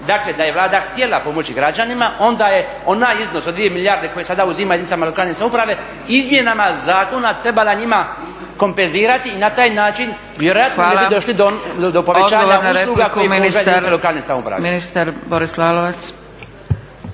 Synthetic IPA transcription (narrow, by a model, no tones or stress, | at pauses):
d̪akle̞d̪aje̞ʋlˠaːd̪axt̪je̞lapo̞mo̞t͡ɕiɡɾad͡ʒanimaʔo̞nd̪aje̞ | o̞najizno̞sod̪ʋije̞milijaɾd̪e̞ko̞jesad̪auzimaeinit̪amalo̞kaːlne̞samupɾaʋe̞ | izmje̞namazaːko̞nat̪ɾe̞balaɲima | ko̞mpe̞nziːɾat̪iːnat̪aːjnaːt͡ʃin | ʋjeɾo̞jat̪naːlelbid̪oʃlid̪od̪opo̞ʋet͡ɕaːaɲanaɾselˠuːɡakojemisaeiealokaːlne̞samṵpɾa̰minist̪aɾboɾislaːloʋat̪s